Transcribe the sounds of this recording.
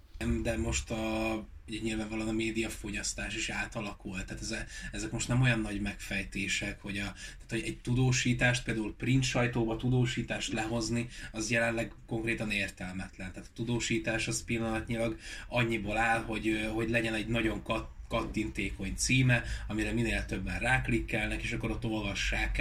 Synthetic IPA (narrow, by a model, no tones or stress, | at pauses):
ɛmd̪ɛmo̞ʃt̪ɒ | uɟɛɲiːlvaːɱvɒlonɒmeːd̪ijɒfo̞ɟɒst̪aːʃiʃaːt̪ɒlɒkult̪ːaːt̪ɛzɛɛzɛkmo̞ʃt̪nɛmo̞jɒnːɒɟmɛkfɛjt̪eːʃɛkho̞ɟɒt̪aːt̪hoɟɛɟt̪ud̪oːʃiːt̪aːʃt̪̚piːld̪aulprint̪ʃɒjt̪oːbɒt̪ud̪oːʃiːt̪aːʃt̪lɛɦo̞zniɒzjɛlɛnlɛɡko̞ŋkrɾeːt̪ɒneːrt̪ɛlmɛt̪lɛnt̪aːt̪ɒ̥t̪ud̪oːʃiːt̪aːʃɒspilːɒnɒt̪ɲilɒɡɒɲːibolaːlɦo̞ɟɦo̞ɟlɛɟɛnɛɟnɒɟo̞ŋkkɒt̪ːint̪eːko̞ɲt̪siːmɛɒmiɾɛmineːlt̪ø̞bːɛnraːklikːɛlnɛkeːʃɒkːo̞ɾot̪ːo̞lvɒʃːaːk